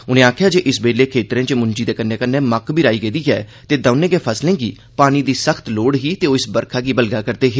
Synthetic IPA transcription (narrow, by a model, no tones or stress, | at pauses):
ʊnẽːaːkʰjaːd͡ʒeːʔɪsbeːleːkʰeːt̪ɾẽːt͡ʃeːmʊɲd͡ʒiːd̪eːkənːeːkənːẽːməkbʱiːɾaːiːɡeːd̪iːɦɛ̰ːt̪eːd̪ãːnẽːɡeːpʰəslẽːɡḭː | paːñiːd̪iːsəkʰt̪loːɽɦiːt̪eːoːɪsbəɾkʰaːɡiːbəlɡaːkəɾd̪eːɦeː